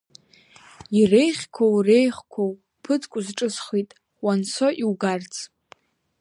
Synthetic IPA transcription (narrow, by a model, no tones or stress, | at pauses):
irejχʲkʷʰowrejχkʷʰow | pʰɨt͡sʼkʷʼʊzʈ͡ʂʼɨsχitʼ | wansʰoʔiwɡart͡sʰʼ